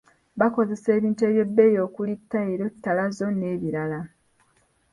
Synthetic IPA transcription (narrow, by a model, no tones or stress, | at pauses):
βako̞ze̞se̞ːβiːntue̞βje̞bːe̞jo̞ːkulitːaeɾo̞tːalazo̞ne̞ːβiɾala